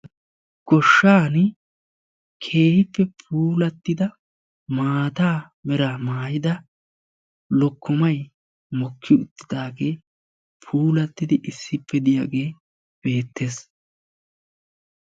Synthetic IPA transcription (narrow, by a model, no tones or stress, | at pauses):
ɡ̥ɔʃːaːn | kʰe̞ːhɪpːɛpʰuːlɐt̪ːɪd̪ɐ | maːt̪aː | mɛɾaːmaːjɪd̪ɐ | lɔkːɔmɐj | mɔkʰːɪʊt̪ːɪ̥d̪aːɡe̞ː | pʰuːlɐt̪ːɪd̪ɪʔɪsːɪpːɛd̪ɪja̰ːɡe̞ː | b̥e̞ːt̪ːe̞ːs